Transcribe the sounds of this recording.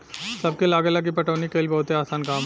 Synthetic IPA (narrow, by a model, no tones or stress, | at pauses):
səb̚kelaːɡelak̬ipɐʈəʋnikeilbɐɦʊt̪eaːsaːnkaːm